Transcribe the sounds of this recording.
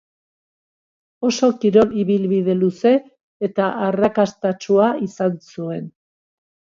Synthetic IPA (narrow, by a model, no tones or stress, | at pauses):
o̞so̞kiɾo̞liβilβið̞e̞luse̞ː | t̪aʔarakast̪at͡ʃuaisansue̞n